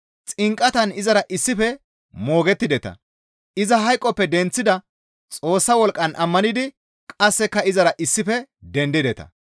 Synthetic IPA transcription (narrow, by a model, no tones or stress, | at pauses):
t͡sʼɪŋkʼːɐt̪ɐnɪzɐɾɐʔɪsːɪfɛ | mo̞ːɡɛt̪ːɪd̪ɛt̪ɐ̰ | ʔɪzɐɦɐjkʼːɔpːɛd̪ɛnt͡sːɪd̪ɐ | t͡sʼo̞ːsːɐwɔlkʼːɐnʔɐmːɐnɪd̪ɪ | kʼɐsːɛkːɐɪzɐɾɐʔɪsːɪfɛd̪ɛnd̪ɪd̪ɛt̪ɐ̰